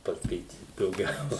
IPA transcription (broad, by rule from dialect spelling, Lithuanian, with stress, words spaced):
pɐskɐɪˈtʲiːt dɐʊˈɡʲɛʊ